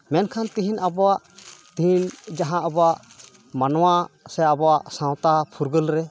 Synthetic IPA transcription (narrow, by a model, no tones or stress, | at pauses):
mɛnkʰant̪iɦinabɔaʔt̪iɦind͡ʒaɦãʔabɔaʔ | manwasɛabɔaʔsãw̃t̪apʰuɾɡəlɾɛ